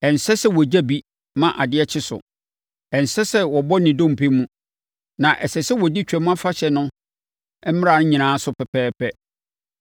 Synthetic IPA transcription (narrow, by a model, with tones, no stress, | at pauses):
ɛ̃˨n˨sɛ˦sɛ˦wɔ˨d͡ʑa˦bi˦ | mã˨ʔa˨dɪ˦ɛ˦t͡ɕʰɪ˦sʊ̰˨ | ɛ˨n˨sɛ˦sɛ˦wɔ˨bɔ˦nĩ˨dõ˦˨m̩˨pʰe˦mũ˦ | nã˨ʔɛ˨sɛ˨sɛ˦wɔ˨di˦t͡ɕᶣɛ˨mũ˦a˦fa˦ɕɛ˨nʊ̃˦ | ɛ˦m̩˦m˦ɾa˨nʊ̃˦ɲĩ˨nãː˨˦sʊ˦pʰɛ˨pʰɛː˦pʰɛ˦